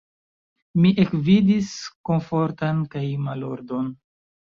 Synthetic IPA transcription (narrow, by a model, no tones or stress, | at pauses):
miʔekvidisko̞nfo̞ɾtankajmalo̰ɾdo̞n